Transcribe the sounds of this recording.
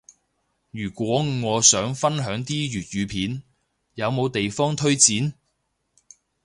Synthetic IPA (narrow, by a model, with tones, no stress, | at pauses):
jyː˨˩kʷwɔː˨˥ŋɔː˨˧sœː˨˥ŋfɐ˥nɦœː˨˥ŋt̪iː˥jyː˨t̚jyː˨˧pʰiː˨˥n | jɐ˨˧wmo˨˧wt̪e˨jfɔː˥ŋt̪ʰɵ˥ɥt͡siː˨˥n